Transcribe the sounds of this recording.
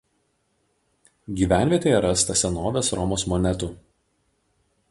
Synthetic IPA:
ɡʲiːʋʲæˑnʲʋʲiɛt̪ʲeːjɛɾɐst̪ɐsʲɛnoːʋʲeːsɾɔmoːsmɔnʲɛt̪uˑ

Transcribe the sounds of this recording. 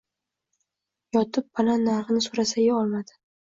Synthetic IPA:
jɒt̪ʰɪp̚ːalanːaɾχɨnɪsoɾasaɡʲaɒlˠmad̪ɪ̥

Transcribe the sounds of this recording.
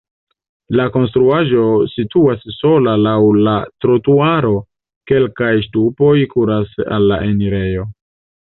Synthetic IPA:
lako̞nstɾuaʒo̞situasːo̞lalawlatɾotuaɾo̞ | ke̞lkajstupo̞jkuɾasa̰lːa̰ʔeniɾe̞jo̞

